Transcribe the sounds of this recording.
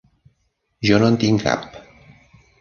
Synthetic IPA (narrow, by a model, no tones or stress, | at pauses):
ʒonont̪iŋka̰p